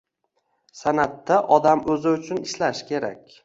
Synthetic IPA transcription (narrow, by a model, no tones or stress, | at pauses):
sanat̪ːaʔɒd̪amɵzɪʊt͡ʃʰʊnɪʃlaʃkʲʰe̞ɾa̰kʲ